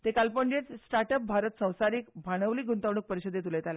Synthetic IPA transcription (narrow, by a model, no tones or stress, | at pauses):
t̪ekalpəɳd͡ʑet͡ssʈaɾʈəp̚bʱaɾət̪sə̃w̃saɾiːkbʱaɽ̃əʋliːɡʱunt̪əʋɽ̃uk̚pəɾiɕəd̪ʱːet̪uləjt̪ale